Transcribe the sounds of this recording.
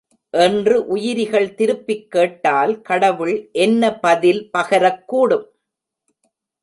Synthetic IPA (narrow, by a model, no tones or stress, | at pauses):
ʔɛndrɯʔʊjɪɾɪɣɐɭt̪ɪɾɯpːɪkːeːʈːaːlkɐɽɐʋɯɭʔɛnːɐpɐðɪlpɐɣɐɾɐkːuːɽɯm